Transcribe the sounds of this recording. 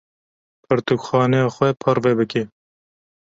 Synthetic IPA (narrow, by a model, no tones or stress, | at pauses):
pʰɨɾt̪ukxɑːnɛjɑːxwɛpʰɔɾvɛbɨke